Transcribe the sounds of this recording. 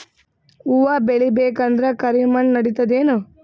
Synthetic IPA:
uʋɐbeɭibeːkɐnd̪ɾɐkɐɾimɐɳnɐɽit̪ɐd̪eːnu

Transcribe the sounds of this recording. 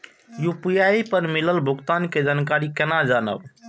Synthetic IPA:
jupijaipəɾmiləlbʱuɡt̪anked͡ʒankaɾikenad͡ʒanə̰b

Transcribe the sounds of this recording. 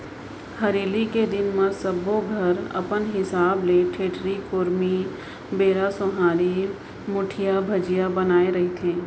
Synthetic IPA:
hɐɾeːliked̪ɪnməɾsɐboɡʱɐɾɐ̰pənɦɪsaːbleʈʰeːʈɾikoːɾmi | beːɾasʊɦaːɾi | mʊʈʰijabʱɐd͡ʒijabɐnaːeɾɐɦit̪ʰẽː

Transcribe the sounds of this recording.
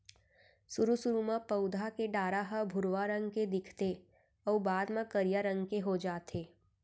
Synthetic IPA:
sʊɾusʊɾumãpəʊd̪ʱakeɖaːɾaɦəbʱʊɾʋaɾə̃ŋɡked̪ɪkʰt̪e | ɔːbaːd̪mãkəɾijaɾə̃ŋɡkeɦod͡ʒaːt̪ʰeː

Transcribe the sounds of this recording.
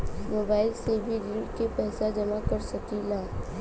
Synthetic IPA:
moːbaːɪlsebʱiɾikepɛːsad͡ʒɐmakəɾsəkilaː

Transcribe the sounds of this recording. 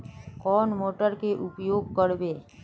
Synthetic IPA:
kɔnmoʈəɾkeʔupjoɡ̚kɔɾbe

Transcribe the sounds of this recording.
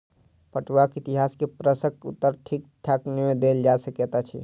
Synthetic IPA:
pəʈwakit̪iɦaskepɾəsəkṵt̪ːəɾʈʰik̚t̪ʰjaknemed̪eld͡ʒasəkɛt̪at͡ʃʰḭ

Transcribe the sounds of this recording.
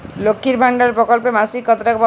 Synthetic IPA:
lokʰːiɾbʱaɳɖaɾpɾɔkɔlpemasikːɔt̪ɾakbɔ

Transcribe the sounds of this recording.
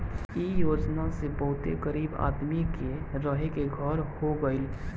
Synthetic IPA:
ijoːd͡ʒnasebəɦʊt̪ḛkəɾiːba̰ːd̪mikeɾəɦekeɡʱəɾhoɡəɪl

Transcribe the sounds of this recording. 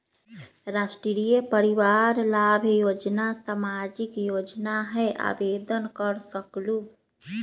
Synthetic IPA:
ɾasʈɾiɾijepəɾiʋaɾlabʱjod͡ʒnasamad͡ʒikjod͡ʒnaɦɛʔa̰bed̪ənkəɾsəklu

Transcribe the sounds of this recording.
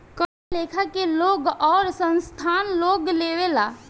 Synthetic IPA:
kəɾaleːkʰakeloːɡɔːɾsə̃nst̪ʰanloːɡleːʋela

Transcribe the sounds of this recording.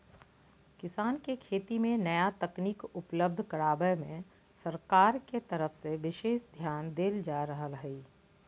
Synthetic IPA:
kɪsaːnkekʰeːt̪imẽnɐjat̪ɐkniːkʊpləb̚d̪ʱkɐɽaːbəjmḛ̃ | sɐɾkaːɾket̪əɾəfseʋɪʃeːʃd̪ʱjaːnd̪eːld͡ʒaːɾəɦəlɦiː

